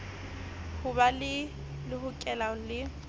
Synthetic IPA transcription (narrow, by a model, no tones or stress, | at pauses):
hʊbalɪ | lɪhʊkʼɛlalɪ